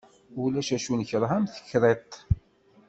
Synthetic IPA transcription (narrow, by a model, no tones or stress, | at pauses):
ʊlæʃæʃunəçəɾˤɦæmθə̥çːɾˤet̪ˤ